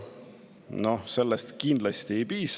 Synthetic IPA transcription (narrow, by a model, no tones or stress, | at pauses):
no̞se̞lːest̪kind̪lɑst̪ie̞jpiːs